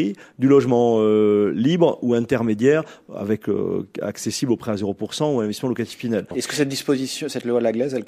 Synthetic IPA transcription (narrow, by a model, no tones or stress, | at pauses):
id̪ylɔʒmɑ̃ølibʁuɛ̃t̪ɛʁmed̪jɛʁa̰vɛkø̰a̰ksesiblopχɛazeʁopuʁsɑ̃uɛ̃nɛ̃vɛst̪smɑ̃lɔkat̪iffinalɛskə̥sɛt̪̚d̪ispozisjɔ̃sɛt̪lwalaɡlɛzɛlk